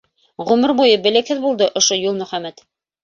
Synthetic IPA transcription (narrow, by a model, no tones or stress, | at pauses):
ʁʉmɘɾbujɤbɘ̆lɘ̆khɘðbulˠd̪ɤʔŏʃojulˠmɵ̆χæmæt̪